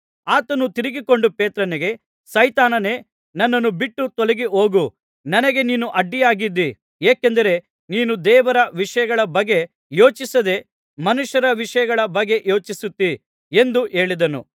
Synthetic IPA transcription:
aːt̪ɐnut̪iɾiɡiko̞ɳɖupeːt̪ɾɐneɡe̞ | sɐjt̪aːnɐne̞ː | nɐnːɐnːubiʈːut̪ɔleɡio̞ːɡu | nɐnɐɡe̞niːnuʔɐɖːijaːɡid̪ːi | eːkend̪ɐɾe̞ | niːnud̪ɛːʋɐɾɐʋiʂɐjɐɡɐɭɐbɐɡːe̞ | jo̞ːt͡ʃisɐd̪e̞ | mɐnuʂjɐɾɐʋiʂɐjɐɡɐɭɐbɐɡːe̞ʔjo̞ːt͡ʃisut̪ːi | e̞nd̪uʔe̞ːɭid̪ɐnṵ

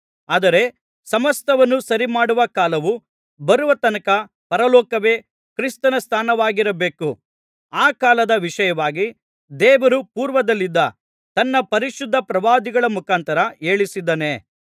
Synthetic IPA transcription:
aːd̪ɐɾe̞ | sɐmɐst̪ɐʋɐnːusɐɾimaːɽuʋɐkaːlɐʋu | bɐɾuʋɐt̪ɐnɐkɐ | pɐɾɐlɔːkɐʋe̞ː | kɾist̪ɐnɐst̪ʰaːnɐʋaːɡiɾɐbe̞ːku | aːkaːlɐd̪ɐʋiʂɐjɐʋaːɡi | d̪ɛːʋɐɾupuːɾʋɐd̪ɐlːid̪ːɐ | t̪ɐnːɐpɐɾiʃud̪ʱːɐpɾɐʋaːd̪iɡɐɭɐmukaːnt̪ɐɾɐeːɭisid̪ːɐne̞

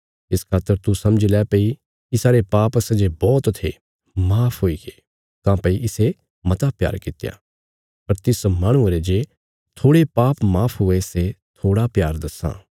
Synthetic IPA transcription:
ɪskʰaːt̪ːəɾt̪usɐ̃md͡ʒlɛpei | ɪsaːɾepaːpsɐd͡ʒebɔːt̪t̪ʰe | maːpʰɦoːiɡe | kãːpɐiʔɪse | mɐt̪apja̰ːɾkɪt̪ja̰ | pɐɾt̪ɪsmãːɽ̃ʊ̃əɾed͡ʒe | t̪ʰoːɽepaːpmaːpʰɦʊeset̪ʰoːɽapjaːɾd̪ɐsã̰ː

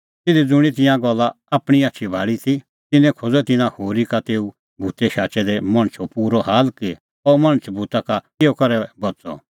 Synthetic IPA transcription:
t̪ɪd̪id͡zʊɽ̃it̪̬ɪ̃jãɡɔlːa | aːpɽ̃iatːʃʰibʱaːɭit̪i | t̪ɪnɛ̃kʰod͡zɛt̪ɪnãhoːɾikat̪eːu | bʱut̪ɛʃaːt͡ʃɛd̪ɛmɐ̃ɽ̃t͡ʃʰɔpuːɾɔɦaːlki | ɔːmɐɽ̃t͡ʃʰbʱut̪aka | eːɔkɐɾɛbɐt͡sɔ̰

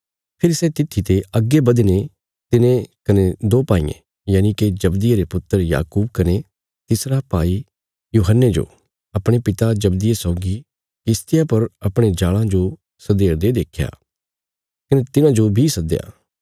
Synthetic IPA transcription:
pʰɪɾsɛt̪ɪt̪ʰːit̪eɐɡːebɐd̪ene | t̪ɪnẽkɐned̪oːpaːḭ̃ːḛ̃ | jaːniked͡ʒɐbd̪ɪjeɾepʊt̪ːəɾja̰ːkuːb̚kɐne | t̪ɪsɾapaːi | juːɦənːed͡ʒo̰ː | ɐpɽ̃epɪt̪ad͡ʒɐbd̪ɪjesɔːɡi | kɪst̪ɪjapɐɾɐpɽ̃ed͡ʒaːlãd͡ʒo | sɐd̪eːɾd̪ed̪eːkʰja̰ː | kɐnet̪ɪnãd͡ʒobʱisɐd̪eja̰ː

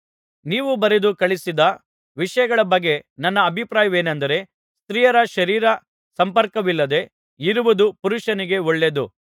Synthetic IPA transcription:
niːʋubɐɾed̪ukɐɭisid̪ɐ | ʋiʂɐjɐɡɐɭɐbɐɡːe̞nɐnːɐːbʱipɾaːjɐʋe̞ːnɐnd̪ɐɾe̞ | st̪ɾiːjɐɾɐʃɐɾiːɾɐ | sɐmpɐɾkɐʋilːɐd̪e̞ | iɾuʋud̪upuɾuʂɐniɡe̞ɔɭːe̞d̪u

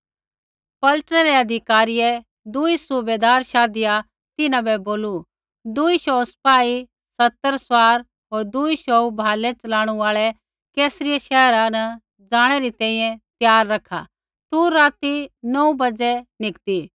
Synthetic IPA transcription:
pɐlʈnɛɾɛɐd̪ʱɪkaːɾɪjɛ | d̪ʊisʊbeːd̪aːɾʃaːd̪ɪja | t̪ɪnãbɛboːlu | d̪ʊiʃɔːspaːi | sɐt̪ːəɾswaːɾ | ɦoːɾd̪ʊiʃɔubʱaːlɛt͡ʃɐlãːɽ̃uaːɭɛ | kɛːsɾɪjaʃɛɦɾãnɐ | d͡zãːɽ̃ɛɾit̪ɛ̃ːĩːɛ̃t̪jaːɾːɐkʰːa̰ | t̪uːaːt̪inɔũbɐd͡zɛnɪkt̪i

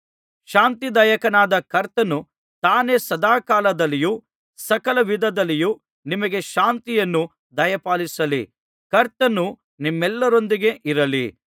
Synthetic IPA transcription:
ʃaːnt̪id̪ɐjɐkɐnaːd̪ɐkɐɾt̪ɐnu | t̪aːne̞ːsɐd̪aːkaːlɐd̪ɐlːiju | sɐkɐlɐʋid̪ʱɐd̪ɐlːiju | nimɐɡe̞ʃaːnt̪ijɐnːu | d̪ɐjɐpaːlisɐlḭ | kɐɾt̪ɐnu | nimːɛlːɐɾo̞nd̪iɡe̞ʔiɾɐlḭ

